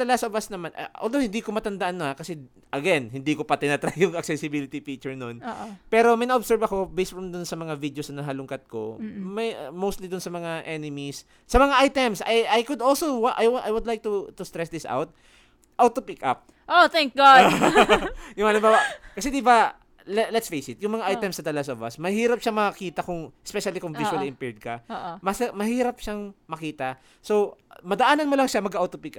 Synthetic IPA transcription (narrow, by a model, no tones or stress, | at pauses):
t̪ɐlɐɡasɐʔʊbasnɐman̰ʔo̰ːld̪owhɪnd̪ikomɐt̪ɐnd̪ɐʔanːohakɐsɛ | ʔɐɡɛnhɪnd̪ikopɐt̪ɪnat̪ɾajjʊŋɐk̚sɛsɪbilɪt̪ipit͡ʃʊɹnonːʔpɛːɾo̞mɐjnɐʔobsɛɹbɐko̞bɛjst̪̚fɹɐmd̪ʊnsɐmɐŋavid̪josɐnɐɦɐlʊŋkɐt̪̚ko̞̰mɐjmowst̪lid̪ʊnsɐmɐŋaʔɛnɪmisː | ɐmɐŋaʔajt̪ɛmsɐjʔajkʊd̪ʔolsowaʔajwʔajwʊd̪lajk̚t̪ʊt̪ʊst̪ɾɛsd̪ɪsʔa̰wt̪̚ | ʔawt̪opikʔa̰p̚ | ʔot̪ɛŋk̚ɡa | jʊŋɐlɪmbaːwɐkɐsɛd̪iba | lɛlɛt̪sfejsɪt̪̚jʊŋmɐŋaʔajt̪ɛmsɐd̪ɐlɐsovɐ̰smɐhiːɾɐp̚ʃaŋmɐkiːt̪ɐkʊŋʔɛspɛʃɐlikʊŋviswɐliɪmpɛɹd̪̚kɐʔmɐsmɐhiːɾɐp̚ʃaŋmɐkiːt̪ɐ | sowmɐd̪ɐʔaːnɐnmolɐŋʃamɐɡawt̪opikʔa